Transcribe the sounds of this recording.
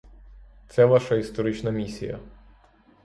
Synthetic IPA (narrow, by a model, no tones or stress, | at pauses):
t̪sɛʋaʃɐist̪ɔɾɪt͡ʃnɐmʲisʲḭjɐ̰